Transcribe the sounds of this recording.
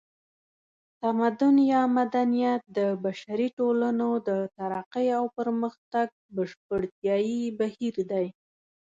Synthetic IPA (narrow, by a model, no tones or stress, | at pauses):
t̪amad̪ʊnjɑmad̪anijat̪̚d̪əbaʃaɾiʈolanod̪ət̪aɾaqəjawpəɾməxt̪aɡ̚bəʃp̚əɽt̪jɑjibahiɾd̪aj